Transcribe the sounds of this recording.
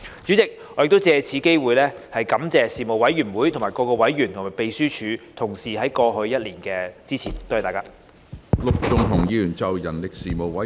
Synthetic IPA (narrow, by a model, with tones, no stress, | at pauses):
t͡ʃyː˨˥t͡sɪ˨k̚ | ɔ˨˧jɪ˨k̚t̪o˥wt͡sɛː˧t͡sʰiː˨˥ke˥jwuː˨˧jlɛː˥hɐ˨jkɐ˨˥mt͡sɛː˨˧siː˨˩mo˨wɐ˨˥jɥyː˨˩nwuː˨˥jt̪ʰʊ˨˩ŋmaː˨˩jkɔː˧kɔː˧wɐ˨˥jɥyː˨˩nt̪ʰʊ˨˩ŋmaː˨˩jpe˨˧jsyː˥t͡ʃʰyː˨˧t̪ʰʊ˨˩ŋsiː˨˩ɦɐ˨˥jkɔː˧ɦɵ˧ɥjɐ˥t̚liː˨˩nkɛː˧t͡siː˥t͡sʰiː˨˩nt̪o˥wht̪aː˨˩kaː˥ | lʊ˨k̚t͡sʊ˨ŋt̪ʰʊ˨˩ŋjiː˨˧lyː˨˩nt͡sɐ˨˩wjɐ˨˩nlɪ˨k̚siː˨˩mo˨wɐ˨˦